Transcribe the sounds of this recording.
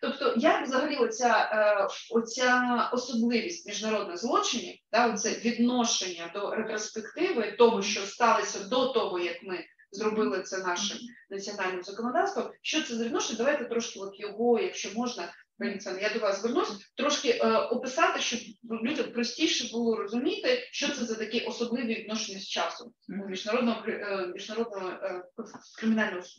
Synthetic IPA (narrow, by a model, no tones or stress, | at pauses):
t̪ɔpt̪ɔjakvzɐɦɐlʲiɔt͡sʲa | ɔt͡sʲaɔsɔblˠɪʋʲisʲtʲmʲiʒnɐɾod̪nɔjzlˠɔt͡ʃɪnʲid̪̥aɔt̪t̪sɛʋʲid̪nɔʃenʲːɐd̪ɔɾet̪ɾɔspekt̪ɪʋɪt̪ɔɦɔʃt͡ʃɔst̪ɑlˠɐsʲɐd̪ɔt̪ɔɦɔjɐkmɪ | zɾɔbɪlˠɪt̪sɛnɑʃɪmnɐt͡sʲiɔnɑlʲnɪmʊzɐkɔnɐd̪ɑwst̪ʋɐmʃt͡ʃɔt̪sɛzɐʋʲɪd̪noɔʃenʲɐd̪ɐʋajt̪ɛt̪ɾɔʃkɪʋɔt̪jɔɦɔjɐkʃt͡ʃɔmɔʒnɐpimt̪sɛnjad̪ɔʋɑzzʋɪrnusʲt̪ɾɔʃkɪʔɔpɪsɑt̪ɪʃt͡ʃɔlʲudʲɐmpɾɔsʲtʲijʃɛbʊlˠɔɾɔzʊmʲit̪ɪʃt͡ʃɔt̪sɛzɐt̪ɐkʲɛʔɔsɔblˠɪʋʲiʋʲɪd̪nɔʃenʲːɐsʲt͡ʃɑsʊmmʲiʒnɐɾɔd̪nɔɦɔkɾmʲiʒnɐɾod̪nɔɦɔ | kɾɪmʲɪnɑlʲnɔɦɔ